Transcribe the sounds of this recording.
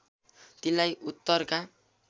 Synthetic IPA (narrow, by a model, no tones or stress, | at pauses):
t̪inlajut̪ːʌrka